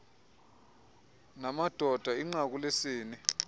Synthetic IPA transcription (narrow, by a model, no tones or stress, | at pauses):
namad̥ʱɔd̥ʱaiŋ͡ǀak̬ulesiːni